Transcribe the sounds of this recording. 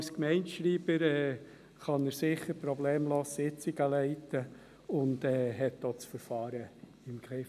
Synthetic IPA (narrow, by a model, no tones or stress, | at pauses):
skmɛɪnʃɾiːb̥əɾɛː | χɑnəɾsɪχːəɾpɾɔbleːmloːssɪt͡siɡ̥əlɛɪtːə | ʊndɛːɦɛtdoːt͡sfəɾfɑːɾə | ɪmɡɾɪ